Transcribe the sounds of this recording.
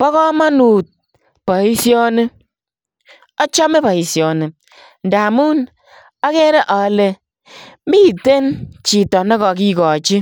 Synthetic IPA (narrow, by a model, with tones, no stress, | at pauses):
pɔ˦kɔ˦ma˦nu˨t̚ | pɔ˨i˦sjɔ˦ne˦ | ɔ˦t͡ʃɔ˦me˦pa˨i˨sjɔ˨ne˨ | n̩˨da˨mu˦n | a˦ke˦ɾe˦ʔɔ˨˦le˦ | mi˦˨te˦nt͡ʃi˨tɔ˨nɔ˦kɔ˨k̬i˦kɔ˨t͡ʃi˦